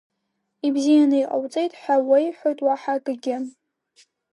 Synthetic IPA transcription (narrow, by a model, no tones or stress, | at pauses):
ibzijanɨiqʼa̰wt͡sʼejtʼħʷawejħʷotʼwaħaɡʼɨɡʲɪ